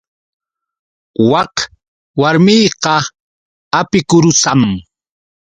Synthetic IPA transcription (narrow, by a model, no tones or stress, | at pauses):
wɑq | waɾmɪjqɑ | apɪkʊɾʊsam